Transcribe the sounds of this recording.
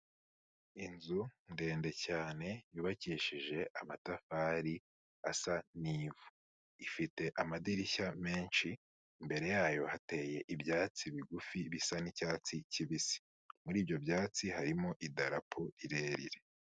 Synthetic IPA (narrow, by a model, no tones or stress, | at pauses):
inzunde̞ːnde̞caːne̞juːβaciːʃiʒe̞ʔamatafaːɾi | asaniːvu | ifite̞ʔamadiɾiçame̞ːnʃi | mbe̞ɾe̞jaːjo̞hate̞ːje̞ʔibjaːt͡siβiɡufiβisanicaːt͡siciβisi̥ | muɾiːbjo̞bjaːt͡siɦaɾimo̞ʔidaɾapʰoiɾe̞ːɾḭɾe̞